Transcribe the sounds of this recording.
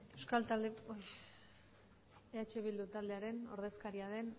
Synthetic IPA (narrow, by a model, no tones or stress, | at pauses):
ewskalt̪ald̪eoj | eat͡ʃeβild̪ut̪ald̪e̞aɾe̞no̞̰ɾð̞e̞skaɾiað̞e̞n